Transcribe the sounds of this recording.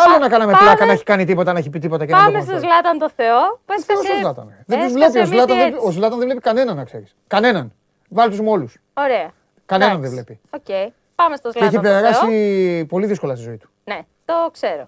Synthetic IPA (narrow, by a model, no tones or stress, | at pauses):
ɐlonɐkɐnɐmeplɐk̪ɐnɐeçi̥kɐnit̪̬ipo̞t̪ɐnɐeçipit̪ipo̞t̪ɐcemest̪ɐzlɐt̪ɐnt̪oθeoθeɾosozlɐt̪ɐ̰neðet̪uzvle̞piozlɐt̪ɐnðeozlɐt̪ɐnðevlepikɐne̞nɐnɐkse̞̰ɾiskɐne̞nɐn | vɐlit̪uzmo̞lus | oɾeɐ | kɐne̞nɐnðevle̞piocej | pɐmest̪ozleeçipeɾɣɐsipo̞liðisko̞lɐst̪izo̞it̪u̥ne | t̪okseɾo